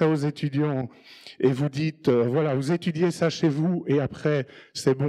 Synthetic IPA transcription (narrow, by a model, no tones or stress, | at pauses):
aozet̪yd̪jɑ̃ | evud̪it̪øvwalavuzet̪yd̪jesaʃevueapχɛsɛbɔ̃